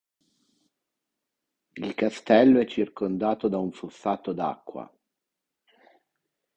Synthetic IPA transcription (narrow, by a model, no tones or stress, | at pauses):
ilkast̪ɛlːoɛt͡ʃːirkond̪aːt̪od̪auɱfufaːt̪od̪a̰kːwa̰